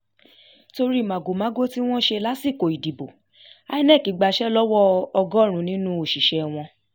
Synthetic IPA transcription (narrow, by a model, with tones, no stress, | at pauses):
to˧ɾi˦˨mã˨ɡo˨mã˨˦ɡo˦ti˦w̃ɔ̃˦ʃe˧la˦si˦˨ko˨i˨di˨bo˨ | a˧i˦nɛ̃˦˨ki˨˦ɡ͡ba˧ʃɛ˦lɔ˦wɔ˦ɔ˧ɡɔ̃˦˨ɾ̃ũ˨˦nĩ˦nũ˦o˨ʃi˨ʃɛ˨w̃ɔ̃˧